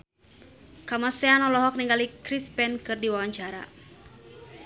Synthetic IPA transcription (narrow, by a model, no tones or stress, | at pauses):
kamasɛanɔlɔɦɔk̚niŋɡalikɾispɛnkɨrdiwawaɲd͡ʒaɾa̰